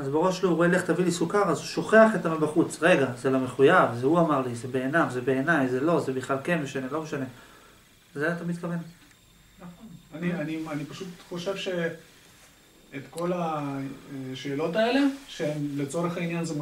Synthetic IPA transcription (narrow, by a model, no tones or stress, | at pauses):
azbeʁo̞ʃlouʁoeleχt̪avilisukaʁazuʃo̞χe̞aχet̪amabaχut͡sʁeɡazelo̞meχujavzeuamaʁlizebe̞ːnavzebe̞ːnajzelo̞zebiχlalkenmeʃanelomeʃane̞ | zet̪amid̪kave̞n | naχonanianianipaʃut̪χo̞ʃevʃe | et̪ko̞la | ʃeːlo̞taele̞ʃeemlet͡so̞ʁeχainjanze